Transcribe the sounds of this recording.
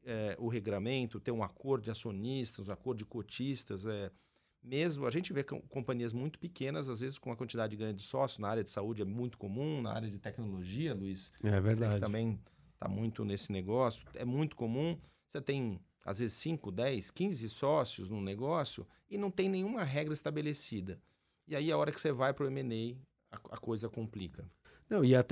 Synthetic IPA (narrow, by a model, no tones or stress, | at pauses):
ɛʔʊɦeɡɾɐmẽnt̪ʊt̪eɾũakoɾd̪ʊd͡ʒɪasionist̪ɐzũakoɾd̪ʊd͡ʒɪkot͡ʃist̪ɐzɛ | mezmʊɐʒẽnt͡ʃɪvekkõpɐ̃ɲiɐzmũj̃t̪ʊ̥pɪkẽnɐzazvezɪskõɐkwɐ̃nt͡ʃid̪ad͡ʒɪd͡ʒɪɡɾɐ̃ndd͡ʒɪd͡ʒɪsɔsjʊnɐaɾjɐd͡ʒɪsaud͡ʒɪɛmũj̃t̪ʊ̥komũnɐ̰a̰ɾjɐd͡ʒɪt̪ɛknoloʒiɐluisɛɛveɾd̪ɛaɪt̪ɐ̃mbẽj̃ | t̪a̰mṵ̃j̃t̪ʊnesɪneɡɔsjʊ̥ɛmũj̃t̪ʊ̥komũ | set̪ẽj̃ | a̰zvezɪsːĩŋkʊd̪ɛjskĩzɪsɔsjʊ̰znʊ̃neɡɔsjʊ̰ | ɪnɐ̃w̃t̪ẽj̃nẽj̃ũmɐɦɛɡɾɐɪst̪abelesid̪ɐ | ɪaiaɔɾɐkɪ̥sevajpɾʊemenej | ɐɐ̰kojzɐkõmplikɐnɐ̃w̃ɪat̪ɛ